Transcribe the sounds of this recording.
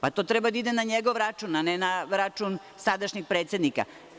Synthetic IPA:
pat̪o̞ːt̪ɾɛbad̪aid̪emnaɲeɡoʋɾat͡ʃuːnanenaɾat͡ʃun | sad̪aʃɲixpɾet̪sʲe̞d̪nika̰

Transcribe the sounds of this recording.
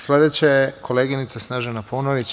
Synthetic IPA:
sle̞d̪et͡ɕajekʰo̞leːɡinit̪sasnaʒanaponoʋit͡ɕ

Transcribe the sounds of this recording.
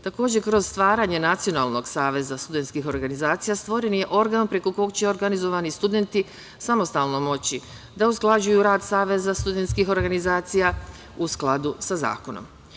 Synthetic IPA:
t̪ako̞ːd͡ʑekɾoz̥st̪ʋaːɾaːɲe̞nat̪sijo̞na̰ːlˠno̞ɡsaːʋe̞zast̪ud̪ent̪skixo̞ɾɡanizaːt̪sijast̪ʋo̞ɾenje̞ʔo̞ɾɡaːnpɾe̞ko̞ko̞kt͡ɕe̞o̞ɾɡanizo̞ʋanist̪ud̪e̞nt̪i | samo̞st̪aːlˠno̞mo̞t͡ɕi | d̪ausklˠad͡ʑujuɾaːd̪saːʋe̞zast̪ud̪e̞nt̪skixo̞ɾɡanizaːt̪sija | usklˠad̪usaza̰ːkono̰m

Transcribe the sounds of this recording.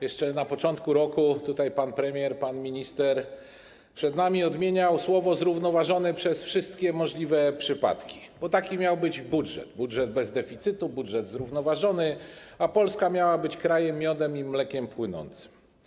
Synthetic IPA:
jɛʂt͡ʂɛnapɔt͡ʂɔnt̪kuɾɔkut̪ut̪ajpanpɾɛmʲjɛɾpanmʲiɲist̪ɛɾ | pʂɛd̪namʲiɔd̪mʲjeɲawswɔvɔzɾuvnɔvaʐɔnɛpʂɛsfʂɘst̪kʲɛmɔʐlʲivɛpʂɘpa̰t̪kʲi̥ | b̥ɔt̪akʲimʲjawbɘd͡ʑbudʐɛ̰d̪budʐɛd̪̚bɛzd̪ɛfʲit̪sɘt̪ubudʐɛd̪zɾuvnɔvaʐɔnɘ | apɔlskamʲjawabɘt͡ɕkɾajɛmːʲjɔd̪ɛmimlɛkʲɛmpwɘnɔ̰nt̪sɘ̥m

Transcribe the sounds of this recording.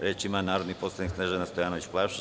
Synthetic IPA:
ɾeːt͡ʃimanaːɾod̪niːpo̞saniksneʒenast̪o̞jaːnoʋit͡ɕplˠaʃ

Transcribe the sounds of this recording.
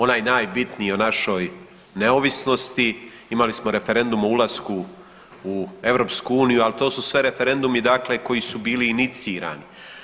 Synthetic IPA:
o̞naːjnaːjbit̪nijonaʃo̞ːj | neo̞ʋisno̞st̪i | imalismo̞ɾe̞fe̞ɾe̞nd̪umoulˠaskuː | e̞ʋɾo̞ːpskuuːnijualit̪o̞ːsusʋe̞ɾe̞fe̞ɾe̞nd̪umid̪akle̞ko̞jisubiːliːnit̪siːɾa̰ːni

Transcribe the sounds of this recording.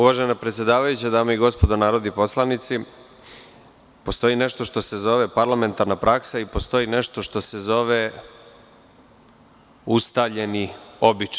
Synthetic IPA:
uʋaʒenapɾet̪sjed̪aːʋajut͡ɕad̪aːmaiɡo̞spo̞d̪onaːɾod̪ipo̞slˠanit̪si | po̞st̪o̞ine̞ʃt̪o̞ʃt̪o̞se̞zo̞ʋe̞paɾlame̞nt̪aɾnapɾaksaipo̞st̪o̞ine̞ʃt̪o̞ʃt̪o̞se̞zo̞ʋe | ust̪aʎe̞nio̞bit͡ʃ

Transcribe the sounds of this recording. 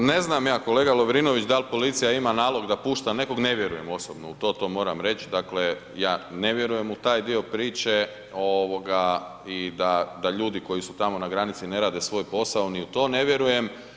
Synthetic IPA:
ne̞znamjaːko̞le̞ːɡalo̞ʋɾino̞ʋit͡ʃd̪alpo̞lit̪sijaimanaːlo̞ɡd̪apuːʃt̪ane̞ko̞ɡne̞ʋjeɾuje̞mo̞sobnout̪o̞ːt̪o̞ːmo̞ːɾamɾe̞t͡ʃd̪akle̞ | jaːne̞ʋje̞ɾuje̞mut̪aːjd̪io̞pɾiːt͡ʃe̞ | oʋo̞ɡa | id̪ad̪aʎuːd̪iko̞jisut̪amo̞naɡɾanit̪sine̞ɾaːd̪e̞sʋo̞ːjpo̞saoniut̪o̞ːne̞ʋje̞ɾuje̞m

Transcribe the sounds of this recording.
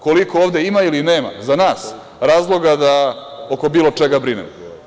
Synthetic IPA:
ko̞likooːʋd̪eimailineːma̰zanaːs | ɾaːzlˠo̞ɡad̪ao̞ko̞biːlˠo̞t͡ʂeɡabɾinḛmo

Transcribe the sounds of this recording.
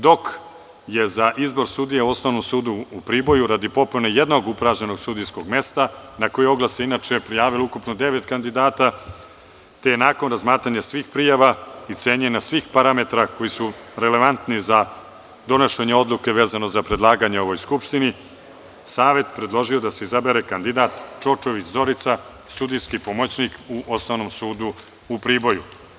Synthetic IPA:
d̪o̞k | je̞zaʔizbo̞ɾsuːd̪ijeuosnoʋnomsuːd̪uupɾiːbo̞juɾad̪ipo̞punejed̪no̞ɡupɾaʒɲeno̞ɡsud̪ijsko̞ɡme̞st̪anako̞jeo̞ɡlˠaseinat͡ʃepɾijaːʋiloukupnod̪e̞ʋet̪kand̪id̪aːt̪a | t̪ejenaːko̞nɾazmaːt̪ɾaɲasʋiːxpɾijaʋait̪seːɲenasʋixpaɾame̞t̪ɾako̞jisuɾele̞ʋant̪niza | d̪o̞noʃeɲeo̞d̪lˠuke̞ʋeːzano̞zapɾe̞d̪lˠaːɡaɲeo̞ʋo̞jskupʂt̪ini | saːʋe̞t̪pɾed̪lˠo̞ʒio̞d̪ase̞izabe̞ɾekand̪id̪at̪t͡ʃo̞t͡ʃo̞ʋit͡ɕzo̞ɾit̪sa | sud̪ijskipo̞mo̞t͡ɕnikuʔo̞snoʋnomsuːd̪u | upɾiːbo̞ju

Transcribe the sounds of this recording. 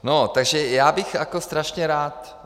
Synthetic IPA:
not̪aɡʒɛjaːbɪxʔakost̪ɾaʃɲɛɾaːt̪

